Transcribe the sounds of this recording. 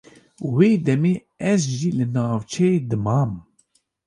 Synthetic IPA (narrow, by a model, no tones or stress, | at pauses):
weːd̪ɛmeː | ɛzʒiːlɨnaːvt͡ʃʰɛjed̪ɨmɑːm